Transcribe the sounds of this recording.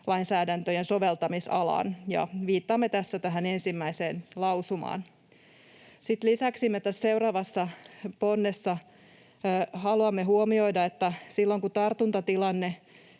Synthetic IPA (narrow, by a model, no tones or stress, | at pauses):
lɑinsæːdænt̪øjenso̞ʋelt̪ɑmisɑ̰lɑ̰ːnjɑ̰ʋiːt̪ːɑːmːet̪æsːæt̪æɦæne̞nsimːæiseːnlɑwsumɑ̰ːn | sit̪lisæksimːet̪æsse̞urɑːʋɑsːɑponːesːɑ | hɑluɑmːeɦuomiojdɑet̪ːæsilːoŋkut̪ɑrt̪unt̪ɑt̪ilɑnːe